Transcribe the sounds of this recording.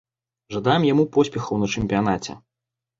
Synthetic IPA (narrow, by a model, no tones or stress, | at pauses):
ʐad̪ajɛmjamupɔsʲpʲɛxɐwnɐt͡ʂɛmʲpʲijan̪at͡sʲɛ̰